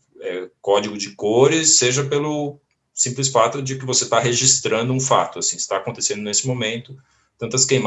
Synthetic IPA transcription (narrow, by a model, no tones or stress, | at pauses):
ɛkɔd͡ʒɪɡʊd͡ʒɪkoɾɪseʒɐpelʊ | sĩmplɪsfat̪ʊd͡ʒɪkɪvoset̪aɦeʒist̪ɾɐ̃nd̪ʊũfa̰t̪ʊasĩɪst̪aːkõnt̪esẽnd̪ʊnesɪmomẽnt̪ʊ | t̪ɐ̃nt̪ɐskej̃m